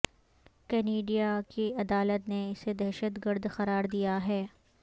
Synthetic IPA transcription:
kɛːneːɖijakiɐd̪aːlət̪neɪsed̪ɛɦʃət̪ɡəɾd̪xɐɾaːɾd̪ijaɦɛː

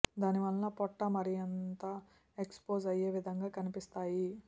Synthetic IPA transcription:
d̪aːniʋɐlːɐpɔʈːɐmɐɾijɐnt̪a | ekspoːzɐje̞ːʋid̪ʱɐŋɡaːkɐnipist̪aːji

